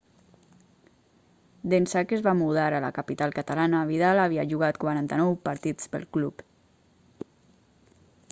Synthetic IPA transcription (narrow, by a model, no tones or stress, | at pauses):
d̪ensakezβamuðaɾəla̰kapit̪alˠkat̪alanaβ̞iðalaβiaʒuɣat̪kwaɾant̪ənɔwpaɾt̪id͡zpə̰lˠklup